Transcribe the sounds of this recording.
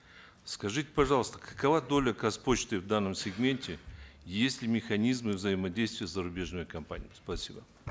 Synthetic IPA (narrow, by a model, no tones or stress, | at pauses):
skɐʐɨtʲɪ̥pɐʐɑlˠəst̪əkʰɐ̥kɐvad̪o̞lʲəkɐspo̞t͡ɕt̪ɨvd̪anːəmsʲɪɡmʲe̞nʲtʲɪjesʲtʲlʲɪmʲɪxɐnʲizmɨvzəjɪmɐdʲejst̪vʲɪjəzəɾʊbʲe̞ʐnɨjəkɐmpa̰nʲɪjspɐsʲibə